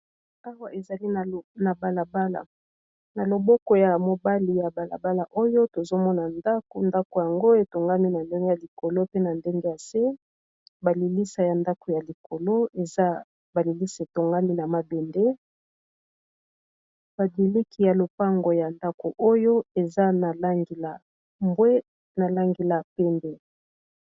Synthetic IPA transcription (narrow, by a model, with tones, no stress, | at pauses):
a˦wa˦e˨za˨li˦˨na˨ba˨la˨ba˦la̰˨ | na˨lo˨bɔ˦kɔ˨ja˨mo˨ba˦li˨ja˨ba˨la̰˨ba˦la˨ʔo˦jo˦to˨zo˦mɔ˦na˨nda˦ko˨nda˦ko˨ja˨ŋɡo˦e˨to˨ŋɡa˦mi˦na˨nde˦ŋɡe˦ja˨li˨ko˨lo˦pe˦na˨nde˦ŋɡe˦ja˨se˦ | ba˨li˨li˦sa˨ja˨nda˦ko˨ja˨li˨ko˨lo˦e˨za˦ | ba˨li˨li˦sa˨e˨to˨ŋɡa˦mi˦na˨ma˨be˨nde˦ | ba˨di˨li˦ki˨ja˨lo˨pa˦ŋɡo˨ja˨nda˦ko˨ʔo˦jo˦e˨za˦na˨la˦ŋɡi˨la˨ | mbwe˦ | na˨la˦ŋɡe˨la˨pe˦nde˦